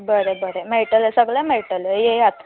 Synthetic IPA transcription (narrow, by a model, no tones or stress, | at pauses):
bəɾebəɾemeɭʈələsəɡljameɭʈəlejeat̪